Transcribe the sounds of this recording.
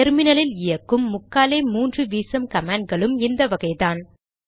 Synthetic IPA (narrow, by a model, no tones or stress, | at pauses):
ɛɾmɪnɐlɪlɪjɐkːɯmːʊkːaːleːmuːndrɯʋiːsɐmkɐmaːɳɖ̚ɡɐɭɯmɪnd̪ɐʋɐɣɐɪðaːn